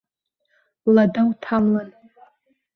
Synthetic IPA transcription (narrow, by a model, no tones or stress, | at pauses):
ladawtʰamlan